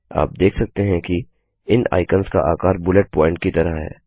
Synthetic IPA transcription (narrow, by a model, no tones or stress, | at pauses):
a̰ːp̚d̪eːkʰsɐk̚t̪eɦɛ̃ki | ɪna̰ːɪkənska̰ʔaːkaːɾbʊleʈ̚pɔ̃ːɪ̃ɳʈ̚kit̪ɐɾaɦɛ̰ː